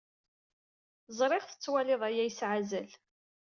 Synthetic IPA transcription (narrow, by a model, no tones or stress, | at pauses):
zˤɾˤeʁθə̥t͡sːwælɪðˤæjæjsʕazæl